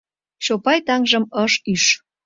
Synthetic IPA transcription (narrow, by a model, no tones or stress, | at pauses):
ɕopɑjt̪ɑŋʒəməʃyʃ